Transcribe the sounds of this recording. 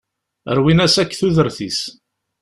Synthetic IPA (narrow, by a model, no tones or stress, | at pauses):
ə̰ɾwinæsækːθuðəɾθis